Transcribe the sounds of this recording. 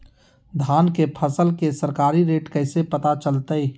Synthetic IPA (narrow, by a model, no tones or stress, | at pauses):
d̪ʱaːnkepʰəsəlkesəɾkaːɾiɾeːʈkəɪsepət̪at͡ʃəlt̪əj